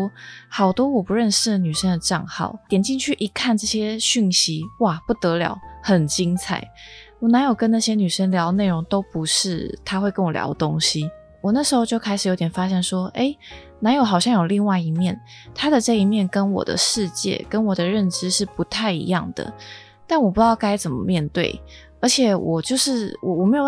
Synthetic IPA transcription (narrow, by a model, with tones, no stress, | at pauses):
hɑ˨˩ʊt̪wɔ˥wɔ˨˩pu˧˦ɻə˥˧nʂɻ̩˥˩ny˨˩ʂə˥ŋd̪ə˨ʈ͡ʂɑ˥˧ŋxɑ̰˥˩ʊjɛ˨˩nt͡ɕi˥˧ŋt͡ɕʰy˥˩ʔi˧˥kʰa˥˧nʈ͡ʂɤ˥˩ɕjɛ˥ɕy˥˩nɕi˧˦wa˥˩pu˥˩t̪ɤ˧˦˥ljɑ̰˧˥ʊxə˨˩nt͡ɕi˥ŋt͡sʰa̰˨˩˦ɪwɔ˨˦na˧˥njo˨˩ʊkə˧˦nna˥˩ɕjɛ˥ny˨˩ʂə˥ŋljɑ˧˥ʊ˦ne˥˩ɻo˧˥ŋt̪o˥ʊpu˧˦ʂɻ̩˥˩t̪ʰa˥xwe˥˩ɪkə˦nwɔ˨˩ljɑ̰˧˥ʊə˨t̪o˥ŋɕi˦ | wɔ˨˩na˥˩ʂɻ̩˧˥xo˥˧ʊt͡ɕjo˥˧ʊkʰa˥ɪʂɻ̩˨˩jo˧ʊt̪jɛ˨˩nfa˥ɕjɛ˥˩nʂwɔ˥e˥˩ɪ | na˧˥njo˨˧˩xɑ˨˩ʊɕjɑ˥˩ŋjo˨˩ʊli˥˧ŋwa˥˩ɪi˧˥mjɛ˥˩n | t̪ʰa˥d̪ə˨ʈ͡ʂɤ˥˧i˧˥mjɛ˥˩nkə˥nwɔ̰˨˩d̪ə̰˦ʂɻ̩˥˧t͡ɕjɛ̰˥˩kə˦˥nwɔ˨˩d̪ə˦ɻə˥˧nʈ͡ʂɻ̩˥ʂɻ̩˥˩pu˧˦t̪ʰa˥˩ɪḭ˧˥jɑ̰˥˩ŋd̪ə̰˩ | t̪a˥˩nwɔ˨˩pu˧˥jɑ˥˩ʊka˥ɪt͡sə˨˩nmə̰˦mjɛ˥˧nt̪we˥˩ɪ | ə˞˧˥t͡ɕʰjɛ˨˩wʔɔ˨˩t͡ɕjo˥˧ʊʂɻ̩˥˩wɔ˨˩wɔ˨˩me˧˥jo˨˩